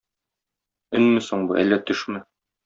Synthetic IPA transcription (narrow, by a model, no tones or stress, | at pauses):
ɵ̆nmɘsoɴbuʔæ̰lːæt̪ɵʃmɘ